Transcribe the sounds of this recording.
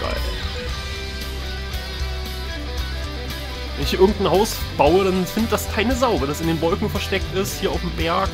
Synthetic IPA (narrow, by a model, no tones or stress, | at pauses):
a̰ɪl | vɛ̰nɪçʔɪɐɡŋ̩tn̩haʊsb̥aʊəɾanfɪndətd̥askʰaɪnəzaʊvəldasɪndeːnvɔlkŋ̩fɛɐʃtɛk̚tɪsthiːɐaʊfm̩bɛɐk